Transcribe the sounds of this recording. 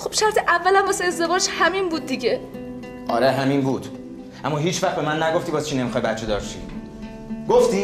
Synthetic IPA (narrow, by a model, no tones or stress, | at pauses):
xob̥ʃæɾt̪ʰeʔævːælæmbɒseezd̪e̞vɒːd͡ʒhæminbuːd̪̚ːiɟe | ʔɒ̰ːɾeɦæminbuːd̪̥ | ʔæmːɒːɦiːt͡ʃʰvæχt̪be̞mænːæɡo̞ft̪iːbɒːzt͡ʃʰine̞mixɒjbæt̪t͡ʃʰe̞d̪ɒːɾʃḭ | ɡ̥oft̪iː